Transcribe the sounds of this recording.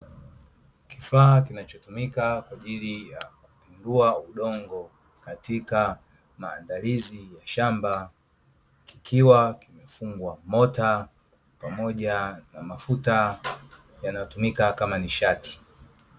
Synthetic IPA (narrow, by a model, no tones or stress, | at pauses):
kifaːkinat͡ʃɔtumikakwaʄilijakupinduauɗɔŋɡɔ | katika | maːndalizijaʃamba | ki̥kʰiwakimɛfuŋɡwamɔta | pamɔʄanamafuta | janajɔtumikakamaniʃati̥